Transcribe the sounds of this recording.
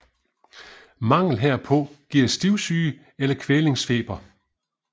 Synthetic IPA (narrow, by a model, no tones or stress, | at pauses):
mɑ̈ŋ̰l̩ɦæɐ̰pʰɔ̽ɡ̥iɐ̰sd̥iʊsyː | elɐkʰʋeːle̝ŋsfe̝̰ːb̥ɐ